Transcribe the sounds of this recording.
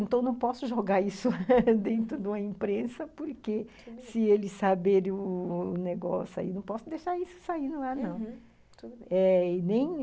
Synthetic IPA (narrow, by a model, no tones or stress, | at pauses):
ẽnt̪ɐ̃w̃nɐ̃w̃pɔsʊʒoɡaɾisʊd̪ẽnt̪ɾʊd̪ɪũmɐĩmpɾẽsɐpoɾke | sɪelɪsabeɾʊːneɡɔsa̰ḭnɐ̃w̃pɔsʊd̪eʃaɾisʊ̥saĩnʊlanɐ̃w̃ | t̪ud̪ɛnẽj̃